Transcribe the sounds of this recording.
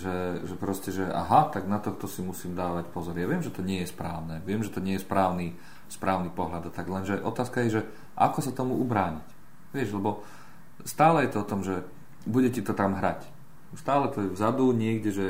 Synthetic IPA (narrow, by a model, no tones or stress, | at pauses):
ʒɛʒɛpɾɔscɛʒɛʔa̰ɦat̪aɡnat̪ɔxt̪ɔsimusiːmd̪aːʋacpɔzɔɾjaʋɪɛmʒɛt̪ɔɲɪɛjɛspɾaːʊnɛʋɪɛmʒɛt̪ɔɲɪɛjɛspɾaːʊni | spɾʔaːʊnipɔɦlʎad̪at̪aɡlɛnʒɛʔɔt̪aːskajɛʒɛ | ʔa̰kɔsat̪ɔmuubɾaːɲic | ʋɪɛʃlɛbɔ | st̪aːlɛjɛt̪ɔɔt̪ɔmʒɛ | buɟɛcit̪ɔt̪amɦɾac | st̪aːlɛt̪ɔjɛvzad̪uɲɪɛɡɟɛʒɛ